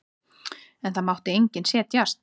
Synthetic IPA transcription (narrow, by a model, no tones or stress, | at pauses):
ɛnθaðmawht̪ɪejɲcɪnsjɛːt̪jast̪